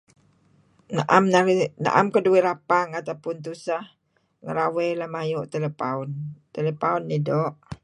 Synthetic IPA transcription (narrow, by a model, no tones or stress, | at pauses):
naʔamana̰ʔa̰mkəduiɾapaŋat̪awpʊnt̪̬usah | ŋəɾawɛlahmajʊʔt̪ələpaunt̪ələpaunːidɔʔ